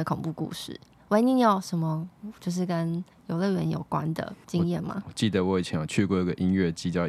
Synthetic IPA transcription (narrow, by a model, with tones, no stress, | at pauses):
ə˨kʰʊ˨˩ŋpu˥˧kṵ˥˧ʂɻ̩̰˥˩ | we˧˥ɪni˥˧njɑ˥˩ʊʂə˧˥nmə˧t͡ɕjo˥˧ʊʂ̬ɻ̩˥˩kə˦˥n | jo˧˥ʊlə˥˩ɥɛ˧˦njo̰˨˩ʊkwa̰˦nd̪ə̰˨˩t͡ɕi˦ŋjɛ˥˩nma̰˨˩wɔ˨˩t͡ɕi˥˩d̪ə˩wɔ˨˦˥t͡ɕʰjɛ˨˦n˨˩t͡ɕʰy˥˧kwe˥o˥˩ə˩ʔi˦˥ŋɥɛ˥˩t͡ɕi˥˩t͡ɕjɑ˥˧